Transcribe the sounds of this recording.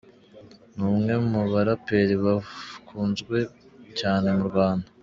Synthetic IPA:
nuːmŋe̞muβaɾape̞ɾiβakʰuːnzɡwe̞ | caːne̞muɾɡwaːnda

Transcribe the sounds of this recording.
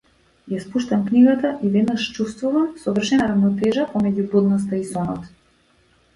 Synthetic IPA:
jaspuʃt̪amkniɡat̪aʔivɛd̪naʃt͡ʃust̪vuvamsɔvr̩ʃɛnaɾavnɔt̪ɛʒapɔmɛɟubɔd̪nɔst̪aisɔnɔt̪

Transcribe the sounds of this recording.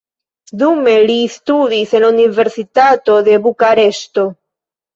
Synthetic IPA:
ðumeliːst̪uðiseluniveɾsit̪at̪oðeβukaɾest̪o

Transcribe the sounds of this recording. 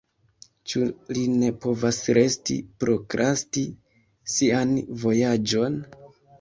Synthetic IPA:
t͡ʃuline̞po̞vasɾe̞stḭpɾo̞kɾʔasti | sianvo̞jad͡ʒo̞n

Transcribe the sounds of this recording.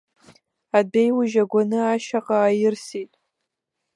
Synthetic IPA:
adejwʊʒaɡʷanɨaʃaqʼaːjɪrsitʼ

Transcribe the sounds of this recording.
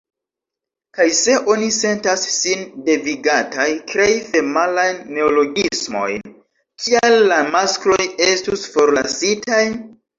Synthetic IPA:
kajse̞ʔo̞nise̞ntasːinde̞viɡatajkɾejfe̞malajnːe̞olo̞ɡismo̞̰jn | kʰialːamasklo̞je̞stusfo̞ɾlasitaj

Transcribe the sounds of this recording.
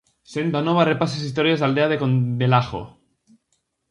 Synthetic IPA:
send̪anoβarepasesist̪oɾjazald̪eaðekond̪elaxo̰

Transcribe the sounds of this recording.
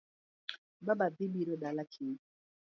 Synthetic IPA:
babadibiɾoɗalakʰeː

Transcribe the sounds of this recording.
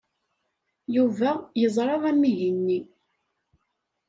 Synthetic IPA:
juvæjəzˤɾˤɑðæmːiʝənːi

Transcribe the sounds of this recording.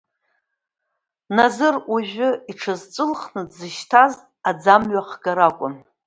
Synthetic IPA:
nazɨruʒʷᶣʊiʈ͡ʂʰɨzt͡sʼɨlχnɨdzɨʃtʰazʼ | ad͡zamɥaχɡaɾakʷʼʊn

